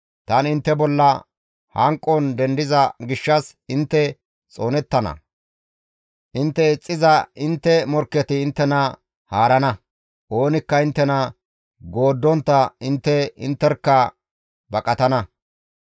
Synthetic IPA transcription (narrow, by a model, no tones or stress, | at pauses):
t̪ɐnɪnt̪ːɛbɔlːɐ | hɐŋkʼːɔnd̪ɛnd̪ɪzɐɡɪʃːɐs | ɪnt̪ːɛ | t͡sʼo̞ːnɛt̪ːɐnɐ̰ | ʔɪnt̪ːɛɪt͡sʼːɪzɐʔɪnt̪ːɛmɔɾkːɛt̪ɪːnt̪ːɛnɐ | haːɾɐnɐ | ʔo̞ːnɪkːɐɪnt̪ːɛnɐ | ɡo̞ːd̪ːɔnt̪ːɐɪnt̪ːɛɪ̰nt̪ːɛɾkːɐ | bɐkʼɐt̪ɐnɐ